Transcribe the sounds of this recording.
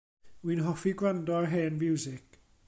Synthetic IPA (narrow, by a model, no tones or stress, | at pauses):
winɦɔfiɡlandɔɦeːnvjɪwzɪk